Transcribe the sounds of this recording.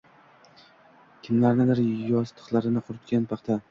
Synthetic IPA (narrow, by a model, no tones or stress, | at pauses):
kʲʰɪmlaɾnɪd̪ɪɾjɒst̪ʰɨ̥qlˠaɾɪnɪqʰʊɾɪt̪kʲanpʰɑχt̪ʰa